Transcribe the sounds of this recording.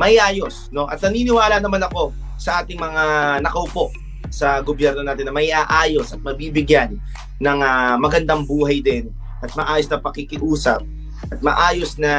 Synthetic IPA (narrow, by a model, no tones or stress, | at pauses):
mɐhɪʔaːjo̞sno̞ʔɐ̰t̪̚nɐniːnɪwaːlɐnɐmanɐko̞ | sɐʔaːt̪ɪŋmɐŋanɐkɐʊpo̞ʔ | sɐɡobjɛɾno̞naːt̪ɪnːɐmɐhɪʔaːʔaːjo̞sɐt̪̚mɐbiːbɪɡjanː | ɐŋamɐɡɐnd̪aŋbuːɦɐjd̪ɛn | ʔɐt̪̚mɐʔaːjosnɐpɐkɪkɪʔuːsɐ̰p̚ | ʔɐt̪̚mɐ̰ʔaːjo̞snɐ